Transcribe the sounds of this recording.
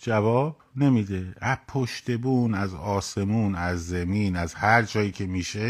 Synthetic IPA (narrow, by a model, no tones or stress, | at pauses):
d͡ʒævɒːb̥ | ne̞miːd̪e̞æpʰoʃt̪e̞buːnæzɒːse̞muːnæzːemiːnæzhæɾd͡ʒɒːjiːcʲʰe̞miːʃe